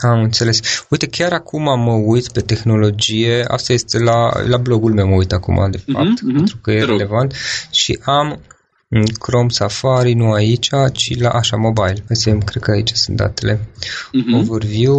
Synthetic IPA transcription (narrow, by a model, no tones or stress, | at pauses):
amɨnt̪se̞le̞suit̪e̞kʲaɾakumaməujt̪pe̞t̪e̞xno̞lo̞d͡ʒije̞a̰st̪ajest̪e̞lalablo̞ɡulmewməujt̪akṵmʔa̰d̪e̞fa̰p̚t̪pent̪ɾukəjeɾele̞vant̪ʃḭʔam | ɨkɾo̞msafaɾinuait͡ʃʲat͡ʃila̰ʔaʃamo̞bajiləseemkɾed̪kəait͡ʃḁsunt̪̚d̪a̰t̪e̞le̞ | ovorviw